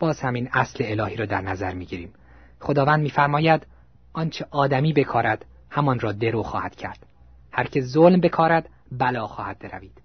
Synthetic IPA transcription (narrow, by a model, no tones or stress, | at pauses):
b̥ɒːz̥hæmiːnæsleelɒːhiːɾɒːd̪æɾnæzæɾmiːɟiːɾiːm | χo̞d̪ɒːvænd̪̚miːfæɾmɒːjæd̪ | ʔɒːnt͡ʃʰeʔɒːd̪æmiːbe̞kʰɒːɾæd̪̥ | hæmɒnrɒːd̪eɾoːxɒːhæd̪̥cʰæ̰ɾd̪̥ | hæɾcʰe̞zolmbe̞kʰɒːɾæd̪̥ | bælɒːxɒːhæd̪̥̚beɾæ̰viːd̪̥